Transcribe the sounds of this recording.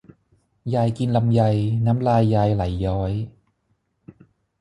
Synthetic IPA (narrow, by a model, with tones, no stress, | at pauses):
jaː˧jki˧nla˧mja˧jnaː˦˥mlaː˧jːaː˧jla˨˩˦jːɔː˦˥j